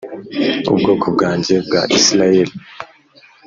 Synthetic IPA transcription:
ṵbɡoːkʰob̚ɡaːɲɟe̞bɡa̰ʔislajeli

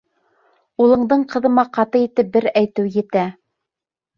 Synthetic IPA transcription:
ulˠɤ̆ɴd̪ɤɴqɤ̆ðɤ̆mɑqɑt̪ɤit̪ɘp̚bɘɾæjt̪ɘwjɘ̆t̪æ

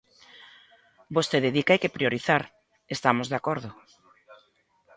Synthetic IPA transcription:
bost̪eðeðikajkepɾijoɾiθaɾ | est̪amozðeakoɾðʊ

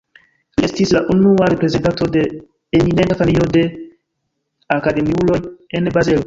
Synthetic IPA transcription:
liestislaʔunuaɾe̞pɾeze̞ntanto̞de̞ | enineŋɡafanio̞de̞ | akade̞miulo̞jenbɾazelo

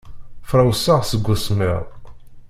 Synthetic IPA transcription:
fɾawsːaʁsəɡʷːʊsmɪ̰ʁˤ

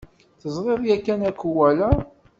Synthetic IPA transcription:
θəzˤʁeðˤjækːænækːuwælæ

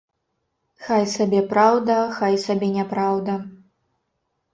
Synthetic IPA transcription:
xajsabʲɛpɾawd̪ɐxajsabʲɛnʲɛpɾawd̪ɐ

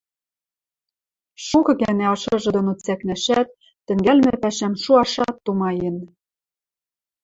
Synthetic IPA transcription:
ʃukɤ̆ɣænĕɑʃɤ̆ʒɤ̆d̪ŏnot͡sæknæʃæt̪̚ː | ɘ̆ŋɡælmɘ̆pæʃæmʃuɑʃɑt̪ːumɑjĕn

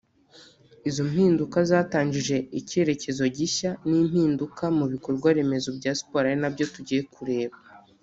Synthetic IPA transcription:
izom̥hiːndukazaːtaːɲd͡ʒiʒe̞ice̞ɾe̞ce̞zo̞ɟiçaniːm̥hiːndukamuβiko̞ɾɡwaɾe̞me̞zobɟaːsi̥po̞ɾajenabjo̞tuɟije̞kʰuɾe̞ːβa

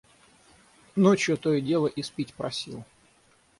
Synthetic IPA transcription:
not͡ɕjʊt̪ojədʲe̞lˠəʔɪspʲitʲpɾɐsʲḭlˠ

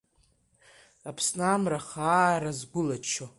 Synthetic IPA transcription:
apʰsnamraχaɾazɡʷʊlat͡ʃʰo

